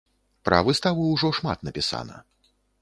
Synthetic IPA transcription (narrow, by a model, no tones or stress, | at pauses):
pɾɐ̰vɨst̪avuwʐɔʂma̰t̪nɐpʲisa̰nɐ̰